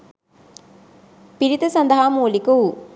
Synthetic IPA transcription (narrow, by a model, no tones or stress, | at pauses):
piɾit̪əsɐnd̪ɐɦaːmuːlikuu